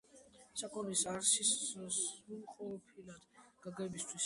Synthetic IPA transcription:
sakʼɔnisaɾsissulˠqʼɔpʰilad̪̥ɡ̥aɡɛbist̪ʰwis

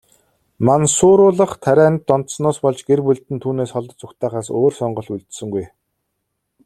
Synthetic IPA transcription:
mansʊːɾʊːɮə̆χt̪ʰæɾʲæːnt̪ːɔnt̪snɔːspɔɮt͡ɕɡerpuɮt̪ɘ̆nt̪ʰuːneːsχɔɮɞ̆t͡sʊkt̪ʰæːχaːsoːrsɔɴɢɞ̆ɬuɮt̪sɵ̆ŋɡuj

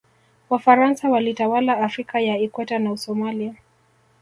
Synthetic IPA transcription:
wafaɾansawalitawalaːfɾikajaikwɛtanausɔmalia

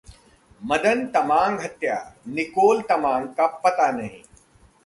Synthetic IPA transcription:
mɐd̪ənt̪ɐmãːŋɡɦɐt̪ja̰ːnikoːlt̪ɐmãːŋkɐpːɐt̪anɐɦḭ̃

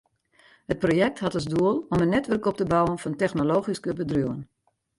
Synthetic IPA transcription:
hət̚projɛk̚tɦatəzduəlˠɔmənːɛtʋərkɔp̚təbɔwənfɔntɛxnoloːxiskəbədruən

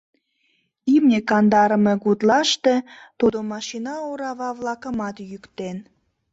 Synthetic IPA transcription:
imnʲekɑnd̪ɑɾəme̽ɣut̪lɑʃt̪e̽t̪ud̪omɑʃinɑoɾɑβɑβlɑkəmɑt̪jykt̪en

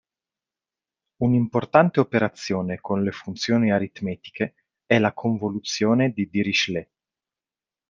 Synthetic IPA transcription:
unimport̪ant̪eopeɾat̪sːjoːnekʰonlefunt̪sjoːniaɾit̪mɛːt̪i̥kʰe | ɛlakʰoɱvolut̪sjoːned̪id̪iɾiʃle

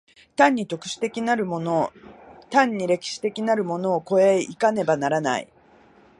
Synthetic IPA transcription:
t̪ãɲ̟ːit̪o̞kɯ̟̥ɕi̥t̪e̞kʲinaɾɯmonot̪ãɲ̟ːiɾe̞kʲi̥ɕi̥t̪e̞kʲinaɾɯ̟mo̞no̞ːko̞e̞ikane̞banaɾana̰ḭ

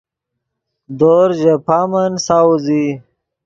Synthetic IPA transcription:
d̪oɾʑepʰaːmɐnsawuzi

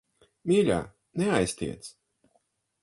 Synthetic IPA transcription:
mʲiːlʲa̰ː | nɛajst̪ʲḭɛt̪s

